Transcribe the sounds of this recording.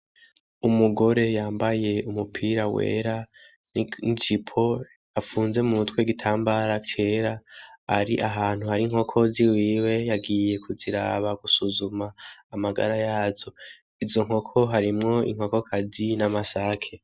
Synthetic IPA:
umuɡo̞ɾe̞jaːmbaje̞umupʰiːɾawḛːɾa | nit͡ʃipʰo̞ | afuːnze̞muutweɡitʰaːmbaɾacʰe̞ːɾaaɾiʔaɦaːn̥huhaɾiŋho̞kʰo̞ziwiːwe̞jaɡiːje̞kʰuziɾa̰ːβaɡ̥usuzumaːmaɡa̰ɾajaːzo̞ | izo̞ŋ̥o̞kʰo̞ɦaɾimŋo̞ḭŋ̥ho̞ko̞kʰazinamasakʰe̞

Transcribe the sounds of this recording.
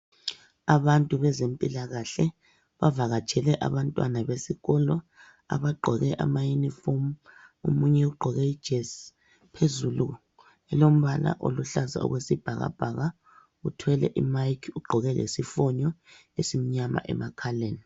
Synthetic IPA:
aβantʼuβɛzempʼilaɣaɬɛ | βavaɣḁt͡ʃʰɛlɛʔa̰βantʼwanaβesiɣɔlɔ | a̰βaɡ͡ǃʱɔɣɛʔamajunifomṵmuɲɛuɡ͡ǃʱɔɣɛi̥ʒ̥ʱɛs | pʰezulu | ɛlom̩βala̰ʔo̰luɬaza̰ṵɣwesib̥ʱaɣa̰b̥ʱaɣa | utʰwɛlɛ̰ʔimajkʰuɡ͡ǃʱɔɣɛlḛsifɔɲɔ | esimiɲama̰ʔɛ̰makʰaleːni

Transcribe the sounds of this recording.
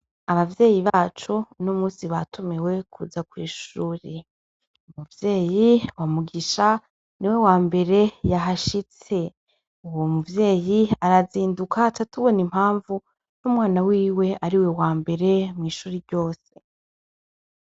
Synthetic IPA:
aβavje̞ːjiβaːt͡ʃunomuːsiβatʰumewe̞kʰṵzakwiːʃuːɾe | umuvje̞ːjiwamuɡiʃa | niwe̞waːmbe̞ɾe̞jaɦaʃit͡se̞ | uwomuvje̞ːjiaɾaziːndukʰatatuβo̞nim̥haːɱvu | numwaːnawiːwe̞ʔaɾiwewaːmbe̞ɾe̞mŋiːʃuːɾiɾɟo̞ːse̞

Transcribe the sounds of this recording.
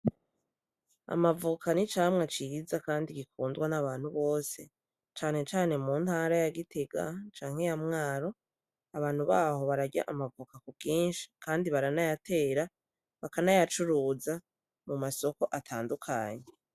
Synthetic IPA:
a̰mavukanit͡ʃaːmŋat͡ʃiɡizakaːndiɡikuːndɡwanaβaːn̥huβo̞ːse̞ | t͡ʃaːne̞t͡ʃaːne̞muːntaːɾajaɡitʰe̞ɡa̰t͡ʃaːŋhe̞jamŋaːɾo̞ | aβaːn̥huβaːho̞βaɾaɟa̰ʔamavukakukiːnʃi̥kaːndiβaɾanajatʰe̞ːɾa | βakanajat͡ʃuɾuːza | mumaso̞ko̞ʔatʰaːndukʰa̰ːɲe

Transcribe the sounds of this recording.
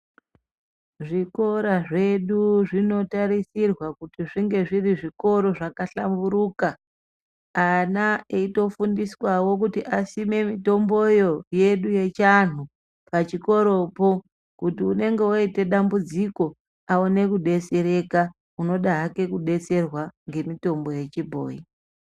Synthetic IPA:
ʐiko̞ɾaʐe̞ɗuʐino̞taɾisirwakutiʐiŋɡe̞ʐiriʐiko̞ɾo̞ʐakaɬambuɾuːkaː | naeito̞fundiswawo̞k̬utiʔasime̞mito̞mbo̞jo̞je̞ɗuje̞t͡ʃan̤u | pat͡ʃiko̞ɾo̞po | kutiune̞ŋɡe̞oite̞ɗambud͡ziko̞ | aone̞kuɗe̞t͡seɾe̞ka | uno̞ɗaɦake̞kuɗe̞t͡se̞rwaŋɡe̞mito̞mbo̞je̞t͡ʃibʱo̰ːi

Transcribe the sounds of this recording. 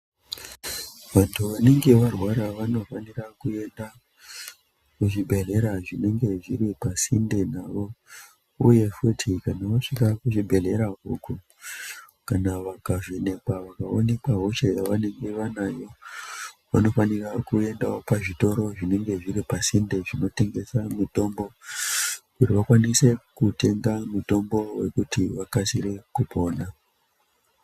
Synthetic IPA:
ʋantʰuʋane̞ŋɡe̞ʋarwaɾaʋano̞fanirakue̞nda | kuʐibʱe̞ɮe̞ɾaʐine̞ŋɡe̞ʐiɾipasindenaʋo̞ | ṵje̞futʰikanaʋaʂikakuʐibʱe̞ɮe̞ɾauku | kanaʋakaʐine̞kaʋakaone̞kaɦot͡ʃejaʋane̞ŋɡe̞ʋanajo̞ | ʋano̞fanirakue̞ndaopaʐito̞ɾo̞ʐine̞ŋɡe̞ʐiɾipasindeʐino̞te̞ŋɡe̞samuto̞mbo̞ | kutiʋakwanise̞kute̞ŋɡamuto̞mbo̞we̞̰kutiʋakasiɾe̞kupʰo̞ːna

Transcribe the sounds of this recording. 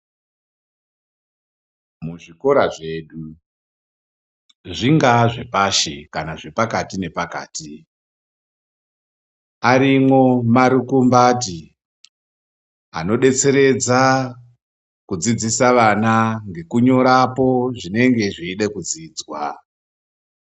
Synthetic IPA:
muʐiko̞ɾaʐe̞ɗu | ʐiŋɡaʐe̞paʃe̞̰kanaʐe̞pakatine̞paka̰ːti | aɾimwomaɾukumbaːti | a̰no̞ɗe̞t͡se̞ɾe̞d͡za | kud͡zid͡zisaʋanaŋɡe̞kuɲo̞ɾapo̞ʐine̞ŋɡe̞ʐiːɗekud͡ziːd͡zwa

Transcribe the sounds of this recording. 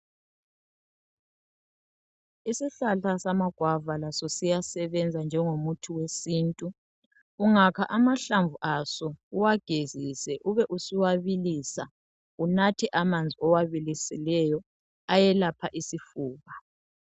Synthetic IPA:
isiɬaɬasamaɡ̥ʱwavalasɔsijasɛβɛnd͡zʱand͡ʒʱɛŋomutʰuwesiːntʼuː | ŋakʰaʔamaɬaɱvuʔasɔuwaɡ̥ʱezisɛʔuβɛʔusiwaβilisa | unatʰɛʔamand͡zʱiɔwaβilisilɛjɔ | ajɛlapʰaʔisifuːβa

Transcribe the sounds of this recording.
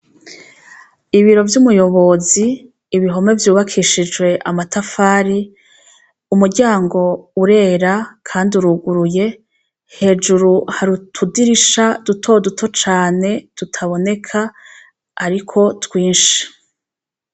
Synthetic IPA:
iβiɾo̞vjumujo̞βo̞ziː | βiɦo̞me̞vjuːβakʰiʃid͡ʒɡwe̞ʔamatafaːɾi | umuɾɟaːŋɡo̞uɾe̞ːɾakʰaːnduɾuɡuɾuje̞ | he̞ːd͡ʒuɾuhaɾutʰudiɾiʃad̥utʰo̞dutʰo̞t͡ʃaːne̞d̥utʰaβo̞ne̞kʰaː | ɾikʰo̞twiːnʃi̥

